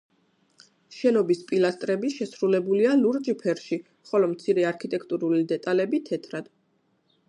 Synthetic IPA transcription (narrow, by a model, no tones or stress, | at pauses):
ʃɛnɔbispʼilast̪ʼɾɛbiʃɛsɾulɛbulialuɾd͡ʒpʰɛɾʃi | χɔlɔmt̪sʰiɾɛaɾkʰit̪ʼɛkʰt̪ʼuɾulid̪ɛt̪ʼalɛbit̪ʰɛt̪ʰɾad̪̥